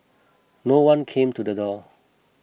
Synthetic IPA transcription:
nowʌ̃nkʰẽmtud̪ədɔ

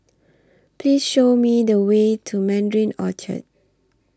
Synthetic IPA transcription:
pʰlisʃomidəwetʰumɛ̃ndɹĩnɔ̰t͡ʃə̰t̚

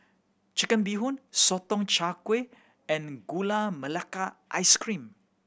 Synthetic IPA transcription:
t͡ʃəkənbiɦʊnsɔt̪ɔŋt͡ʃakwe | ɛ̃nɡulaməlakaʔa̰jskɾĩm

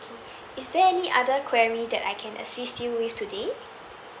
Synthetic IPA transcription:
kʰe | isdɛɛniʔadəkʰwɛɹidɛta̰jkʰɛ̃nʔə̰sistjuwiftʰude

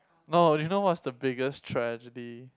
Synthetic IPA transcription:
nodjunowɔtsdəbɪɡəstʰɹɛd͡ʒədi

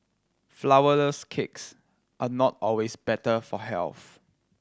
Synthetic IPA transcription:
flawələskʰɪks | ʔanɔtɔlwesbɛtəfɔhɛ̰lθ

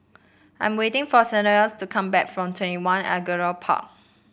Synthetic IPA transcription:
ʔã̰j̃mwetɪ̃ŋfɔsɛnəɹəstukʰãmbɛ̰kfɹɔ̃mtʰwɛ̃ntiwãnɛ̰ɡəɹəpʰa̰k̚

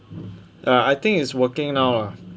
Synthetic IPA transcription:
aajt̪ɪ̃ŋkiswəkɪ̃ŋnawa

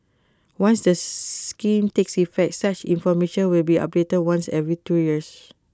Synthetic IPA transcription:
wãnsdəkĩmteksifɛk̚tsat͡ʃḭ̃nfɔmeʃə̃nwilbiɔ̰p̚detəd̚wãnsɛvɹitujis

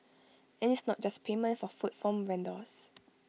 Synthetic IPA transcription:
ɛ̃nisnɔt̚d͡ʒaspʰemə̃ntfɔfutfɔ̃mɹɛ̃ndɔs

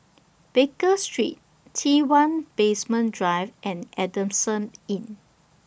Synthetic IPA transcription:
b̥ekəstɹḭt̚ːʰ | iwãnpesmə̃ndɹaɪvʔɛ̃nʔɛdə̃msə̃nĩn

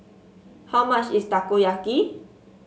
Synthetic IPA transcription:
hamaʃist̪akojaχki

